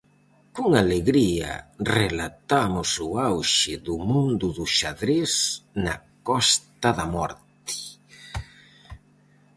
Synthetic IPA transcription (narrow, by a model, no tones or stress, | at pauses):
kuŋaleɣɾia̰relat̪amʊsʊawʃɪðʊmũnd̪ʊðʊʃaðɾesna̰ | kɔst̪aðamɔɾt̪ɪ̥